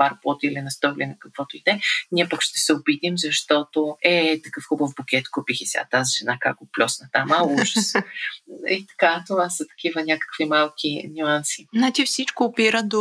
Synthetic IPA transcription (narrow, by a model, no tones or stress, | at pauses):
paɾpɔt̪ilinɐst̪ɔklʲinɛkɐkv̥ɔt̪oid̪ɛnʲiɛpakʃt̪ɛsɛʊbit̪imzɐʃt̪ɔt̪oɛt̪ɐkɤfxubəvbʊk̟ʲɛt̪kupixisʲa̰t̪aziʒɛnakak̚ɡoplʲɔsnɐt̪amauʒəs | it̪ɐ̥kat̪ovasɐt̪ɐ̥k̟ivənʲakə̥kvimalˠkʲʰinʲuansi̥nat͡ʃifsit͡ʃkoːpiɾəd̪o